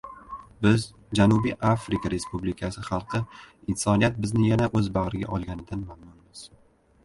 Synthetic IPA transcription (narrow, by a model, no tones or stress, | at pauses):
bɪz | d͡ʒanubiʔafɾɪkʰaɾe̞spublɪkʰasɪχɑlˠqʰɨɪnsɒnijat̪̚bɪznɪjanaʔɵzbaʁɾɪɡʲa̰ʔɒlˠɡʲanɪd̪anmamnʊnmɪz̥